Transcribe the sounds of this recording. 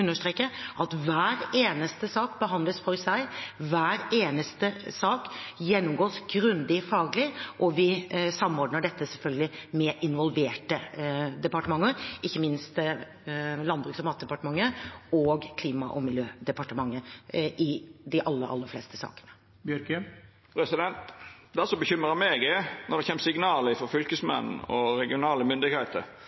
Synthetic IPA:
ʉnːəʂt̪ɾeːkːəʔɑt̪ʋæːɾeːnəst̪əsɑːkbəɦɑnd̪ləsfɔɾsæɪʋæːɾeːnəst̪əsɑːkjɛnːʊmɡoːsɡɾʉnd̪ɪfɑːɡəlɪʔɔʋɪsɑmːɔɖnəɖɛt̪ːəsɛlfœlɡəlɪmɛʔɪnʋɔlʋeːʈəd̪ɛpɑʈəmɑŋːəɪçːəmɪnst̪ | lɑnbɾʉːksɔmɑːt̪d̪ɛpɑʈəmɑŋːəɔɡkʰliːmɑʔɔmɪljøːd̪ɛpɑʈəmɑŋːəʔɪd̪ɪʔɑlːəɾʔɑ̰lːəɾflɛ̰st̪əsɑ̰ːkə̥nə̥ | bjœɾk | pʰɾɛsɪd̪ɛnt̪d̪æsɔbəçʏməɾɑmeːɡənɔɾd̪ɛçɛːmsɪɡnɑːləɪfɔɾfʏlkəsmɛ̰nn̩ɔ̰ɾɛɡɪʊnɑːləmʏnd̪ɪɡheːt̪ə̰ɾ

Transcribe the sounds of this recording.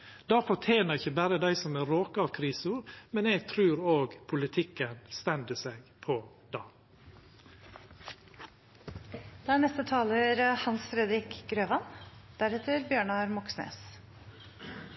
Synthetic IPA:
d̪̥ɑːfɔtʰjeːnəɾɪçəbæːɾəd̪æɪsɔmæːɾoːkəɑːʋkʰɾiːsuɾmɛneːɡ̚t̪ʰɾʉːɾoːɡpʰʊlɪt̪ʰɪkːənst̪ɛnd̪əseɡpʰɔ | d̪̥ɑː | d̪̥ɛæːnɛst̪ət̪ʰɑːləɾhɑnsfɾɛd̪ɾɪkɡɾøːʋɑnd̪̥æɾɛt̪ʰəɾbjøːɳɑɾmɔksnḛːs

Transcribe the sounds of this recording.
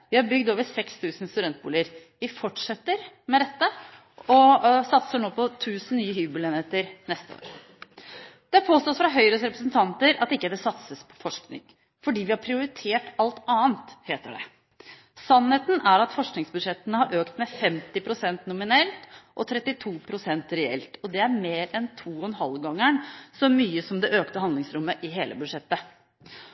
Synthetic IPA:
ʋɪhɑɾbʏɡd̪oːʋəɾsɛkst̪ʰʉːsn̩st̪ʉd̪ɛnt̪̚buːləɾ | ʋɪfɔʈʂɛt̪ːəɾmɛd̪ɛt̪ːə | ɔsɑt̪səɳoːpʰɔt̪ʰʉːsn̩nyːəhyːbʉlɛːneːt̪əɾnɛst̪əo̰ːɾə | d̪̥ɛhɑɾpʰoːst̪oːsfɾɑɦœʏɾəsɾɛpɾəsnt̪ʰɑnt̪əɾɑt̪ːɪkːəd̪ɛsɑt̪səspʰɔ̥fɔʂknɪ̰ŋ | fɔɖiːʋɪhɑɾpʰɾɪʊɾɪt̪ʰeːʈɑlt̪ɑːənt̪heːt̪əɖɛ̰ | sɑnheːt̪n̩æɾɑt̪fɔʂknɪŋsbʉd̪ʂɛt̪ːənəhɑɾʔøːkt̪mɛfɛmt̪ɪpʰɾʊsɛnt̪nʊmɪnɛlt̪ʔɔt̪ʰɾɛt̪ːɪt̪ʰuːpʰɾʊsɛnt̪ɾɛɛ̰lt̪ɔd̪ɛæɾmeːɾɛnt̪ʰuːɔɛnɦɑlɡɑŋːəɳsɔmyːəsɔmd̪ɛʔøːkt̪əɦɑnd̪lɪŋsɾʊmːəʔɪɦeːlʔə̰bʉd̪ʂɛt̪ːə

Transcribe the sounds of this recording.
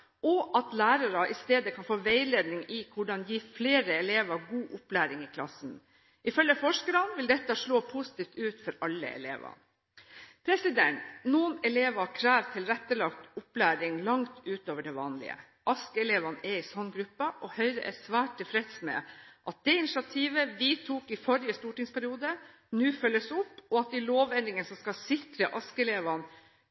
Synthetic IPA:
ʔɔʔɑt̪læːɾɑɾɑʔɪst̪eːd̪əkʰɑnfoːʋæɪleːd̪nɪŋɪkʰʊɖɑnjiːfleːɾəɛleːʋɑɡuːʔʊplæːɾɪŋɪkʰlɑ̰sn̩ | ʔɪfœlːəfɔʂkəɾɑnʋɪld̪ɛt̪ːəʂɭoːpʰʊsɪ̥t̪ʰiːft̪ʉːt̪fɔɾɑlːə̰ɛ̰lḛːʋɑ̰n | pʰɾɛsɪd̪ɛnt̪nuːənɛleːʋɑkʰɾæːʋt̪ʰɪlɾɛt̪ːəlɑkt̪ʊplæːɾɪŋlɑŋt̪ʉːt̪oːʋəɖɛʋɑːnlɪ̰ə̰ | ʔɑskəɛleːʋɑnɛɪsɔnɡɾʉpːəʔɔhœʏɾəʔɛsʋæːʈ̚t̪ːɪlfɾɛt̪smɛ̰ʔɑt̪̚d̪̥ɛɪnɪʂɑt̪ʰiːʋəʋɪt̪ʰuːkɪfɔɾɪəst̪uːʈɪŋspʰæɾɪuːd̪ə | nʉːfœlːəsʊpːɔɑt̪̚d̪ɪloːʋɛnːɪŋənsɔmskɑsɪt̪ɾəʔɑskəɛleːʋɑn

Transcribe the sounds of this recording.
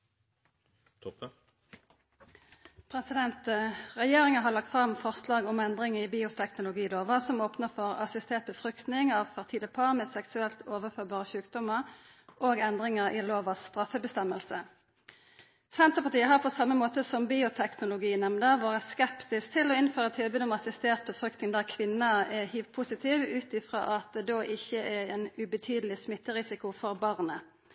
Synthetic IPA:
pʰʁɛsɪd̪ɛnt̪ʁɛjeːʁɪŋəɦɑːlɑk̚t̪fʁɑmfɔʁslɑːɡʊmɛnd̪ʁɪŋəiːbiːʊt̪ʰɛknʊlʊɡiːloːʋəsɔmoːpnəʁfɔʁɑ̰sɪst̪ʰeːʁt̪̚bəfʁʏkt̪nɪŋɑːʋfɛʁt̪ʰiːləpʰɑːʁmeːsɛksʉɛlt̪ʰoːʋəʁføːʁbɑːʁəçʉːkd̪ɔməʁ | ʔoːɡɛnd̪ʁɪŋəʁʔiːloːʋɑsst̪ʁɑfəbəst̪ɛməlsə | sɛnt̪ʁəpɑʁt̪iːəɦɑʁpʰɔsɑmːəmoːt̪əsɔmbiːʊt̪ʰɛknʊlʊɡiːnɛmnəʋoːʁəskɛpt̪ɪst̪ʰɪlɔɪnføːʁət̪ʰɪlbyːd̪əɔmɑsɪst̪eːʁt̪̚pʰɔfʁʏkt̪nɪŋd̪æːʁkʰʋɪnːəɛhyːt̪̚pʰuːsɪt̪ʰiːʋʉːt̪ɪfʁɑ̰ːʔɑt̪̚d̪ɛd̪oːʔɪçəʔɛɛnʉbət̪ʰyːd̪lɪsmɪt̪ːəʁɪsɪkʊfɔʁbɑʁnə

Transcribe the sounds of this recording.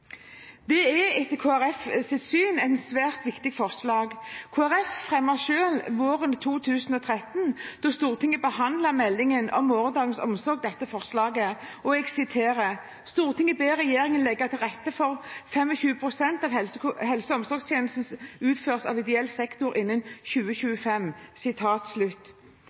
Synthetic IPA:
d̪ɛɛɛt̪ːəkʰoːæɾɛfsɪt̪syːnɛsʋæːʁt̪ʋɪkt̪ɪɡfɔʁslɑːɡkʰoːæɾɛffʁɛmːəʃøːlʋoːʁənt̪ʰuːt̪ʰʉːsnɔt̪ʰʁɛt̪ːnd̪̥ɔst̪uːʁt̪ʰɪŋːəbəhɑnd̪ləmɛlːɪŋənɔ̰mːoːɾənd̪ɑːɡənsɔ̰msɔɾɡ̚d̪ɛt̪ːəfɔʁslɑːɡəɔɛɡsɪt̪ʰeːɾə | st̪uːʁt̪ʰɪŋːəbeːɾɛjeːɾɪŋənlɛɡːət̪ʰɪlʁɛt̪ːəfɔʁfɛmɔçʉːəpʰʁʊsɛnt̪ɑːʋhɛlshɛlsəɔmsɔɡst̪ʰjeːnl̩sn̩sʉːt̪føːʁsɑ̰ːʋɪd̪ɛɛlsɛkt̪ʊɾɪnːənçʉːəçʉːəfɛmsɪt̪ʰɑːt̪slʉt̪ː

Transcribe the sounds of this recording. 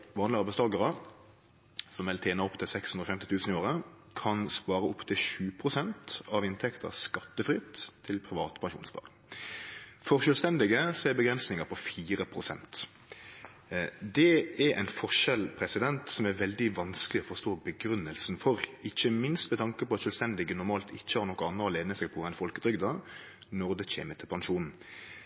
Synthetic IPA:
ʋɑːnlɪɑʁbɛɪst̪ɑːɡəʁə | sɔmʋɪlt̪ʰeːnɑɔpt̪ʰɪlsɛkshʉnʁɾɔfɛmt̪ɪt̪ʉːsənɪoːɾə | kʰɑnspɑːɾəɔpːt̪ʰɪlɕʉːpʰʁʊsɛnt̪ɑʋɪnt̪ʰɛkt̪ʰə̰skɑt̪ːəfɾɪt̪ʰːɪlpʰɾɪʋɑːt̪pʰɑŋʃṵːnspɑ̰ːʁŋ | fɔʁʃœːlst̪ɛnd̪ɪɡəsɔɛbəɡɾɛnsnɪŋəpʰɔfiːɾəpʰɾʊsɛ̰nt̪ | d̪ɛɛɾʔɛ̰ɪnfɔʂɛlpʰɾɛsɪd̪ɛnt̪sɔmæɾʋɛld̪ɪʋɑnskəlɪɔfɔʁʂt̪oːbəɡɾʉnːəlsn̩fɔɾɪçːəmɪnst̪mɛt̪ʰɑŋkəpɔɑt̪sʃœlst̪ɛnd̪ɪɡənʊʁmɑːlt̪ɪçːəhɑɾnɔkːɔɑnːəɔleːnəsɛɡ̚pʰɔːʁɛnfɔlkət̪ʰɾʏɡd̪ɑ | nɔʁd̪ɛçḛːmət̪ʰɪlpʰɑŋʃuːnn̩

